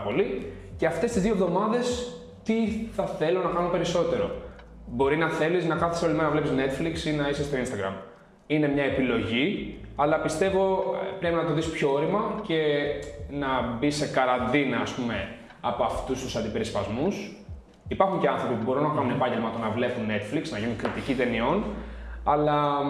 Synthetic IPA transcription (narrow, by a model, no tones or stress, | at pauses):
po̞li | ce̞ɐft̪e̞st̪izðiovðo̞mɐðe̞s | t̪iθɐθe̞lonɐkɐnunpe̞ɾiso̞t̪e̞ɾo̞̰ | bo̞ɾinɐθe̞liznɐkɐθesiolimenɐnɐvlepizne̞t̪fliksinɐisest̪oinst̪ɐɡɾɐ̰m | ine̞mɲɐepilo̞ʝiɐlɐpist̪e̞vo̞pɾepinɐt̪oðispço̞oɾimɐce̞ | nɐbise̞kɐɾɐnd̪inɐːspume̞ | ɐpoɐft̪ust̪usɐnd̪ipe̞ɾispɐzmus | ipɐɾxuɲce̞ɐnθɾo̞pipubo̞ɾunɐkɐnunepɐɲɟe̞lmɐt̪o̞nɐvle̞punːe̞t̪fliksnɐʝinuŋkɾit̪icit̪e̞nio̞nɐlɐ